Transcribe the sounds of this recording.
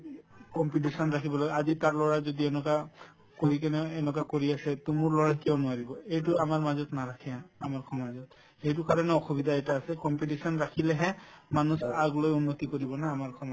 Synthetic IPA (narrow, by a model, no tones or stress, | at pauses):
kɔmpitisɔnɹakʰibɔlɔɡɛazitaɹlɔɹazodiɛnɔka | koɹik̬ɛnɛɛnɔkakoɹiasɛtumʊɹlɔɹakiɔnʊaɹibɔejtʊamaɹmazɔtnaɹakʰɛjaːmaɹkʰɔmazɔt | ejt̬ʊkaɹɔnɛɔxubidaetaːsɛkɔmpitisɔnɹakʰilɛɦɛmanusaɡlojunːotikoɹibɔnaːmaɹkʰɔmɔ